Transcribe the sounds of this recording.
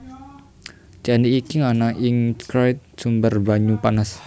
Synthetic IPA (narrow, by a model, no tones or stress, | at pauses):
t͡ʃandiːkiŋanaʔɪŋskɾajt̪̚sumbərbaɲupanas